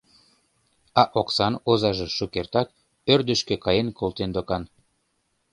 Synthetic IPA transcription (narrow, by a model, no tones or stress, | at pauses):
ɑʔoksɑnozɑʒĕʃukert̪ɑk̚ | ørd̪əʃkø̆kɑjenkʰolˠt̪end̪okɑn